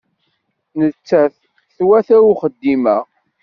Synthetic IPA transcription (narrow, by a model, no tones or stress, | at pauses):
nət͡sːæθ | θwæθæuχəd̪ːimæ